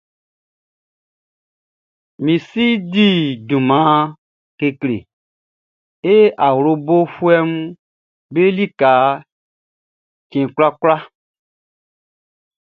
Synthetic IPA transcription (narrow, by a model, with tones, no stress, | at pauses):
mĩ˨si˦di˦dũ˨mã˨˦ | ke˧klḛ˨ | e˦a˨wɾo˧bo˦fu˦ɛ˦m˦ | be˦li˦ka˨˦ | kĩ˨kla˦kla˦